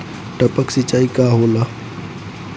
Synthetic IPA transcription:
ʈəpəksɪt͡ʃaːikaːɦoːla

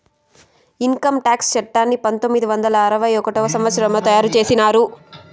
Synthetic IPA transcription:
iŋkɐmʈaːkst͡ʃɛʈːaːnːipɐnt̪omːid̪iʋɐnd̪ɐlɐːɾɐʋɐjɔkɐʈɔːɐsɐmʋɐt̪sɐɾɐmlɐt̪ɐjaːɾut͡ʃe̞ːsinaːɾu

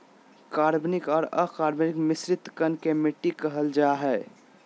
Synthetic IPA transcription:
kaɾbnikɔːɾəkaɾbnikmɪsɾɪt̪kənkemɪʈːikəɦəld͡ʒaɦɛ

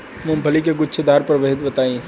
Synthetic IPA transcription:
mʊ̃mbʱɐlikeɡʊtːʃʰed̪aːɾpɐɾʋeɦd̪bɐt̪aːĩ

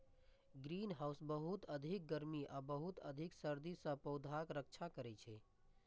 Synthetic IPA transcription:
ɡɾiːnɦaːʊsbəɦut̪əd̪ʱɪk̚ɡəɾmiʔabəɦut̪ə̰d̪ʱɪksəɾd̪isə̃pəʊd̪ʱakɾək̚t͡ʃʰakəɾɛt͡ʃʰɛ

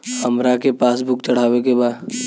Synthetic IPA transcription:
həmɾakepaːsbʱʊkt͡ʃɐɽ̤aːʋekebaːd̪

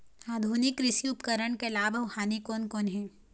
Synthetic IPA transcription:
aːd̪ʱuːnɪkːɾɪsiʊpkəɾəɳkelaːbʱəʋhaːnikoːnkoːnɦɛ̃ː

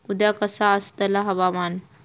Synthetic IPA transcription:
ud̪jakəsaːst̪əlaɦɐʋaman

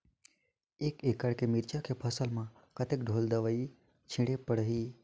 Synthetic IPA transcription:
ekekaɽkemiɾt͡ʃakʰepʰəsəlmã | kət̪ekɖʱold̪əʋəi | t͡ʃʰĩɽepəɽɦi

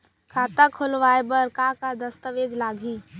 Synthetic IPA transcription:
kʰaːt̪akʰʊlʋaːjebəɾkakad̪əst̪əʋeːd͡ʒlaːɡʱiː

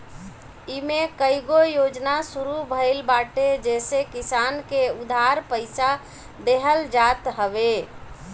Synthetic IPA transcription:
imekəɪɡojod͡ʒnasuɾubʱəɪlbaʈed͡ʒesekisankeud̪ʱaɾpəɪsa | d̪eɦəld͡ʒat̪ɦəbe

